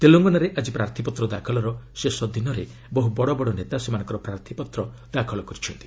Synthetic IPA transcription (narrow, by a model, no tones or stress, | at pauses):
t̪eloŋɡɔnaɾeʔad͡ʒipɾaɾt̪ʰipɔt̪ɾɔd̪akʰɔlɔɾɔsesɔd̪inɔɾe | bɔɦubɔɽɔbɔɽɔnet̪asemanɔ̃ŋkɔɾɔpɾaɾt̪ʰipɔt̪ɾɔd̪akʰɔlɔkɔɾit͡ʃʰɔnt̪i̥